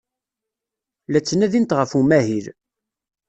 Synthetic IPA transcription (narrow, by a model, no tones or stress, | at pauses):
læt͡sːənæðint̪ʁəfumæhil